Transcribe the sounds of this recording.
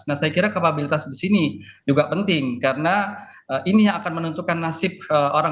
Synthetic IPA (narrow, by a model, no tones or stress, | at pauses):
nahsajakiɾakapabilit̪asdisinid͡ʒuɡapənt̪ɪŋkaɾəna | əʔinijaŋakanmənunt̪ukanːasɪp̚əʔoɾa